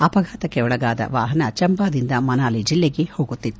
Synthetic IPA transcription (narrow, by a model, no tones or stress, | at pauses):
ɐpɐɡʱaːt̪ɐkːeɔɭɐɡaːd̪ɐ̰ʋaːɦɐnɐt͡ʃɐmbaːd̪ind̪ɐmɐnaːlid͡ʒilːeɡe̞ho̞ːɡut̪ːit̪ː